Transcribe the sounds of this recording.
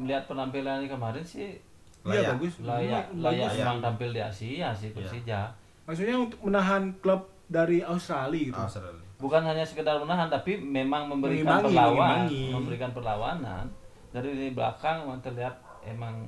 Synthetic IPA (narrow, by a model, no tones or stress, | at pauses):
məliɦat̪̚pənampilanɲakəmaɾɛnsɪh | laaaɡʊslajalajaemaŋt̪ampɪldia̰siasɪhpəsid͡ʒa | maks̬uɲaunt̪ʊk̚mənaɦankləp̚ | daɾiaust̪ɾaliɡit̪uɾaibukanhaɲasəkədarmənaɦant̪apimemaŋməmbəɾiapəlawaməmbəɾikanpərlawa̰na̰n | daɾinibəla̰kaŋemaŋt̪ərliɦat̪̚ | ḛmaŋ